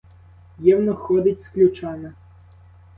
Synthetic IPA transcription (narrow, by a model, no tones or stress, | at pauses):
jiwnɔxɔd̪ɪtʲsklʲut͡ʃɑnɐ